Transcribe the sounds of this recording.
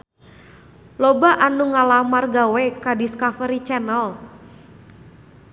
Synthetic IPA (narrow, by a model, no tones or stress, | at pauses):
lɔbaʔanuŋalamarɡawɛkadiskafəɾit͡ʃɛnəl